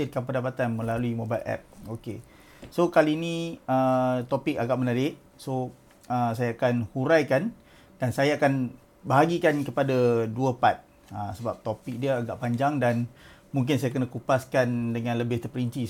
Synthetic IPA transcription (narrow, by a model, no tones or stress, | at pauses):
ɪrkanp̬əndapat̪anmə̃laluimobajlʔɛ̰p̚oke | sokaliːnĩət̪opɪk̚aɡaʔmənaɾɪʔ | so | əsajaːkanhuɾajkan | d̥ansajaakan | baɦaɡikankəpadaduəpat̪̚ | əsəbap̚t̪opɪk̚diəaɡaʔpaɲd͡ʒaŋdanmuŋk̬ɪnsajakənakupaskandəŋãnləbɪht̪ərpəɾiɲt͡ʃi